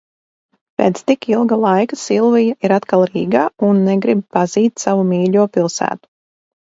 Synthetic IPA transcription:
pʲeːt̪st̪ikilˠɡalˠajkasilˠvijaʔiɾat̪kalˠɾiːɡaːunːɛɡɾib̚paz̥iːt̪ʲsavumʲiːʎʲuɔpilˠsæ̰ːt̪u̥

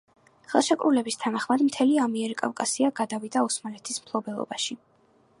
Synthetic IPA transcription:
χɛlˠʃakʼɾṵlɛbist̪ʰanaχmad̪mt̪ʰɛliamiɛɾikʼa̰fkʼasiaɡad̪avid̪ausmalɛt̪ʰismpʰlˠɔbɛlˠɔ̰baʃi

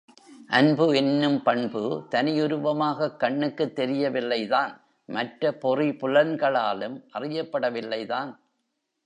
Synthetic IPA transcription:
ʔɐnbɯɛnːɯmpɐɳbɯt̪ɐnɪjʊɾɯʋɐmaːɣɐkːɐɳːɯkːɯt̪ːɛɾɪjɐʋɪlːɐɪðaːn | mɐʈɾɐpɔripʊlɐnɡɐɭaːlɯmʔɐrɪjɐpːɐɽɐʋɪlːɐɪðaːn

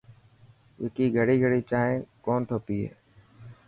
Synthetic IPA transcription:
eːkiːɡʱəɽiːɡʱəɽiːt͡ʃaːɦẽːkoːnt̪ʰoːp̪iːɦḛː

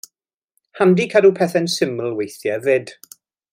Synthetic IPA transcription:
handikʰadupʰɛθɛnsɪməlˠwejθjaðɪd̥

